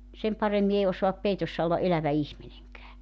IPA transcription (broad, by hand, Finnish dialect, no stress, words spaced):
sem pɑremːi ei osoɑp peitosːɑ olːɑ ʔelæʋæ ihmineŋkæː